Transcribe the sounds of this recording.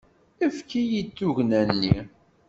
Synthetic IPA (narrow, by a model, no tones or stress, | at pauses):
əfkijit͡sːuʝnænːḭ